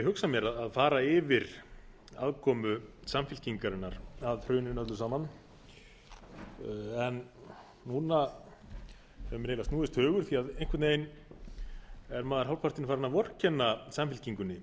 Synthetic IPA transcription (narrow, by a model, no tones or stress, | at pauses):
ɪɦʏksamjɛɾaðaðfaːɾaɪvɪɾ | a̰ðkʰɔːmʏsamfɪlciŋkaɾɪnːaɾaðr̥œːɥnɪnœt̪lʏsaːman | ɛn | nuːna | hɛvʏmɾejlast̪nuːðɪst̪hœːɣʏɾ̥θiaðejŋ̥kʰvɪt̪neːjn | ɛɾmaːðaɾ̥ɦawlpar̥t̪ɪnɪfaːɾanavɔr̥cʰɛnːasamfɪlciŋkʏnːɪ